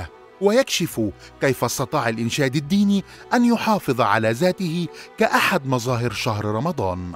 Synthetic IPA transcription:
wajakʃɪf | kajfʔɑsˤt̪ɑt̪ˤɑːʕalʔɪnʃaːd̪ad̪ːiːniː | ʔanjʊħɑːfɨðˤʕa̰laːzaːt̪ɪhɪkaʔaħad̪mɑzˤɑːɦɪɾʃaɦɾɾˤɑmɑd̪ˤɑːn

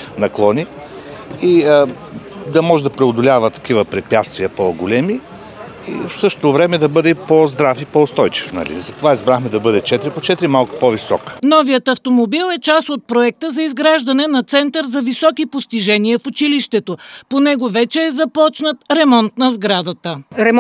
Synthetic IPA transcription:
nɐklˠɔni | i | d̪ɐmɔʒɛd̪ɐpɾɛʊd̪olʲavət̪ɐ̥kivəpɾɛpʲjat̪st̪viəpoɡolɛmi | ḭfsɤʃt̪ot̪ovɾɛmɛd̪ɐbɤd̪ɛipozd̪ɾafipoʊst̪ɔjt͡ʃi̥fnɐ̰lḭzɐt̪ovaizbɾaxmɛd̪ɐbɤd̪ɛt͡ʃɛt̪ɾipot͡ʃɛt̪ɾimalˠkʊ̥povisɔkə̥nɔvijət̪ɐft̪omobilˠɛt͡ʃasot̪̚pɾoɛk̚t̪əzɐizɡɾaʒd̪ɐnɛnɐt̪sɛnt̪əɾzɐvisɔkipost̪iʒɛniəfʊt͡ʃiliʃt̪ɛt̪oponɛɡovɛt͡ʃɛːzɐpɔt͡ʃnət̪ɾɛmɔnt̪nɐzɡɾad̪ət̪əɾɛ

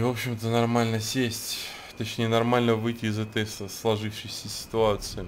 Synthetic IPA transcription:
vo̞pɕɪmt̪ənɐrmalʲnəsʲesʲtʲ | t̪ɐt͡ɕnʲejənɐrmalʲnəvɨjtʲɪːzɛt̪əjslˠɐʐɨfʂɨjsʲəsʲɪ̥t̪ʊat̪sɨɪ

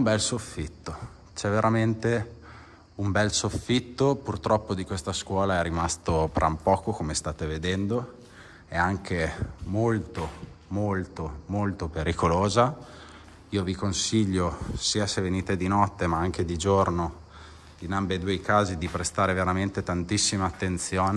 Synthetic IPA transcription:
umbɛlsofːit̪ːo | t͡ʃɛveɾʔament̪e | umbɛlsofːit̪ːopurt̪ɾɔpːod̪ikwest̪askwɔːlaɛrimast̪opɾʔa̰mpɔːkokomest̪aːt̪eved̪ɛnd̪o | eaŋk̟ʰemolt̪o | molt̪omolt̪opeɾikoloːza | iːovikonsiʎːosiːaseveniːt̪ed̪inɔt̪ːemaaŋk̟ed̪id͡ʒorno | inambed̪uejkaːzid̪ipɾest̪aːɾeveɾament̪et̪ant̪isːimaːt̪ːent̪sjoːn

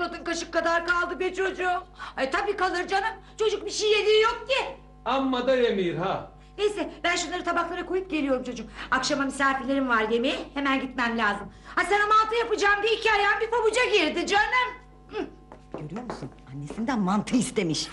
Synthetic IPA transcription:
lad̪ɯnkaʃɯkʰːad̪aɾkalˠd̪ɯbit͡ʃʰo̞d͡ʒut̪ʰabiːkalˠɯɾd͡ʒanɯm | t͡ʃʰo̞d͡ʒuk̚biʃijjelʲijok̚c̪i | amːad̪ajemiɾɦa | nejsɛbænʃunlˠaɾɯt̪abaxlˠaɾakʰo̞jup̚ɟe̞lʲijo̞ɾumt͡ʃʰo̞d͡ʒukakʃamamisaːfilʲe̞ɾimvaɾj̪e̞mejihe̞mænɟit̪mænlʲaːzɯmhasanamanˠt̪ʰɯjapɯd͡ʒaːmd̪iicʰajanbifabud͡ʒaɟiɾd̪id͡ʒøɾmæm̩ | ɟøɾyjo̞ɾmusunanːesind̪ænmant̪ʰɯist̪e̞miʃ

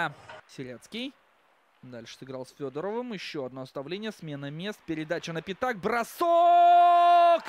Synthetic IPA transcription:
sʲɪɾʲat̪skʲɪj | d̪alʲʂɨ̥sɨɡɾɑlˠsʲfʲod̪əɾəvɨmjɪɕːoɐd̪nost̪ɐvlʲenʲɪjəsmʲe̞nɨmʲe̞st̪̚pʲɪɾʲɪd̪at͡ɕɪnəpʲɪt̪ak̚bɾɐso | k

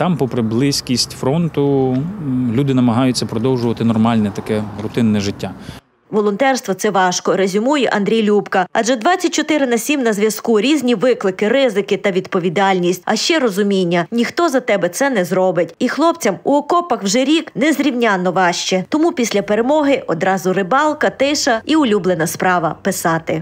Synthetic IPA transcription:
t̪ɑmpɔpɾɪblˠɪsʲkʲisʲtʲfɾɔnt̪ʊ | lʲud̪ɪnɐmɐɦɑjʊt͡sʲːɐpɾɔd̪ɔwʒʊʋɐt̪ɪnɔrmɑlʲnɛt̪ɐkɛrʊt̪ɪnːɛʒɪtʲːa | ʋɔlˠɔnt̪ɛrst̪ʋɔt̪sɛʋɑʃkɔɾezʲʊmujɛʔɐnd̪ɾʲijlʲupkɐɐdd͡ʒɛd̪ʋɑt͡sʲːɐt̚ʲt͡ʃɔt̪ɪɾɪnɐsʲimnɐzʋʲjɐskuɾʲizʲnʲiʋɪklˠɪkɪɾɪzɪkɪt̪ɐʋʲid̪pɔʋʲid̪ɑlʲnʲisʲt̚ʲɐ̰ʃt͡ʃɛɾɔzʊmʲinʲːɐnʲixt̪ɔzɐt̪ɛbɛt̪sɛnɛzɾɔbɪtʲixlˠɔpt͡sʲɐmuɔkɔpɐxwʒɛɾʲiknɛzɾʲiwnʲɑnːɔʋɑʃt͡ʃɛt̪ɔmupʲisʲlʲɐpeɾemɔɦɪʔɔd̪ɾɑzʊrɪbɑlˠkɐt̪ɪʃɐiʊlʲublˠenɐspɾɑʋɐpɪsɑt̪ɪ

